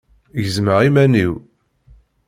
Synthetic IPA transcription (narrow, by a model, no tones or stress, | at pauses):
jəzməʁimæniw